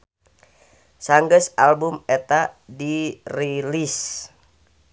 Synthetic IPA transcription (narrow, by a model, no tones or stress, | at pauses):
saŋɡəsalbumɛt̪adirilis